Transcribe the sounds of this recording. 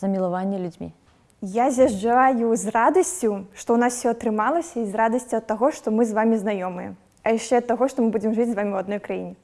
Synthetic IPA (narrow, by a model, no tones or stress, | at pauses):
zɐmʲilˠavanʲːɐlʲud͡zʲmʲḭ | jazʲjaʐd͡ʐajuzrad̪ɐsʲt͡sʲuʂt̪ɔwnaswfsʲɔɐt̪ɾɨmalˠɐsʲɐizrad̪ɐsʲt͡sʲuɐt̪ːaɣɔʂt̪ɔmɨzvamʲiznajɔmɨjɛ̰ | ɐjaʂt͡ʂɛɐt̪ːaɣɔʂt̪ɔmɨbud͡zʲɪmʐɨt͡sʲzvamʲiwɐd̪nɔjkɾajḭnʲɛ